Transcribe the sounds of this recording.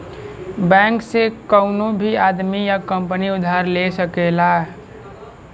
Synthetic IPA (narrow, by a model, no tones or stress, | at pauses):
bɛ̃ːŋksekəʊnõbʱiaːd̪mijakə̃mpəniʊd̪ʱaːɾlesəkelaː